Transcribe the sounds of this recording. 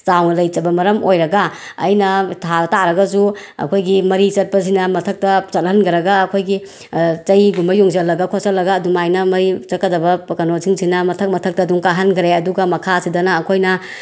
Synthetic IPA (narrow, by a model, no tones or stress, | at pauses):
t͡ʃawnɐlɐjt͡ʃɐbɐmɐɾɐmojɾɐɡɐ̰ːjnɐtʰataɾɐɡɐzuɐ̰kʰojɡimɐɾit͡ʃɐt̚pɐsinɐmɐtʰɐk̚tɐt͡ʃɐt̚ɦɐnɡɐɾɐɡɐːkʰojɡi | t͡ʃɐjɡumbɐjuŋzɐlːɐɡɐkʰosɐlːɐɡɐdumajnɐmɐɾit͡ʃɐt̚kːɐdɐbɐpɐkɐnosʰiŋsʰinɐmɐtʰɐk̚mɐtʰɐk̚tɐduŋkaɦɐnɡɾeɐduɡɐmɐkʰasidɐnɐːkʰojnɐ